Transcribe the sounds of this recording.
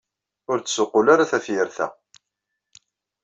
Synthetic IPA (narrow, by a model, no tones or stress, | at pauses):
ʊɾt͡sːsʊqːʊlaɾaθæfjəɾθæ̰